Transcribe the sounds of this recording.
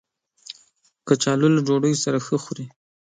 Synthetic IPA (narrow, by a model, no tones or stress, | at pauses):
kət͡ʃɑlulad͡ʒoɽəjosaɾaxəxuɾi